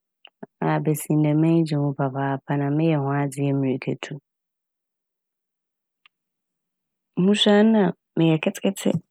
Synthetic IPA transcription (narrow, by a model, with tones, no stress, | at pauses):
a˨bɛ˨sĩ˨n˨dɛ˨mɛ̃˦d͡ʑɪ˨wʊ̃˦ba˨baː˨pʰa˦nã˨mɪ̃˦jɛ˨hʊ̃˦a˦d͡zɪ˦ɛ˦mĩ˨i˨kʰɛ˨tʰu˦ | mũ˦ɕa˦nã˨ | mɪ̃˨jɛ˨kʰɛ˦tʰɪ̥˦kʰɛ˦tʰɪ̰˦